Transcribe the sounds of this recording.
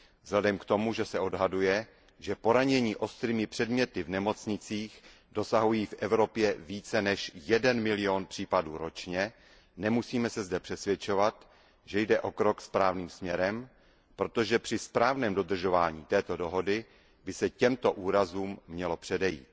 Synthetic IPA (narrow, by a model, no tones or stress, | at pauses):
vz̥ladɛmkt̪o̞muʒɛsɛʔo̞dɦadujɛ | ʒɛpo̞ɾaɲɛɲiːʔo̞st̪ɾiːmɪpr̝̥ɛdmɲɛt̪ɪvnɛmo̞t͡sɲɪt͡siːx | do̞saɦujiːfʔɛvɾo̞pjɛviːt͡sɛnɛʃjɛdɛnmɪlɪonpr̥iːpaduːɾo̞t͡ʃɲɛ | nɛmusiːmɛsɛzdɛpr̝̥ɛsvʲjɛt͡ʃo̞vat̪ | ʒɛjdɛʔo̞kɾo̞kspɾaːvniːmsmɲɛɾɛm | pɾo̞t̪o̞ʒɛpr̥ɪspɾaːvnɛːmdo̞d̪r̩ʒo̞vaːɲiːt̪ɛːt̪odo̞ɦo̞dɪ | bɪsɛcɛmt̪o̞ʔuːɾazuːmːɲɛlo̞pr̥ɛdɛjḭːt̪̚